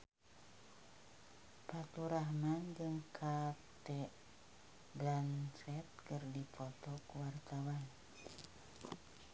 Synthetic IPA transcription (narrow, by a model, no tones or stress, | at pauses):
pat̪uɾaɦmand͡ʒəŋkʰat̪ɛʔ | blansɛt̪̚kɨrdipɔt̪ɔkuwart̪awan